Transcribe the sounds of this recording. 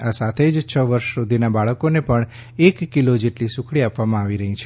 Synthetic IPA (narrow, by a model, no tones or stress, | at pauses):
asat̪ʰed͡ʒt͡ʃʰəʋəɾʃsud̪ʱinabaɭəkonepəɳ | ekːilod͡ʒeʈlisukʰɽiapʋamãaʋiɾəɦit͡ʃʰe